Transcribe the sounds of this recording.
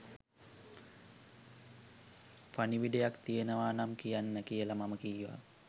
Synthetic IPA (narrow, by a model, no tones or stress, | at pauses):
faniʋiɖejakt̪ijenəʋaːnamkijanːəkijəlamaməkijʋa̰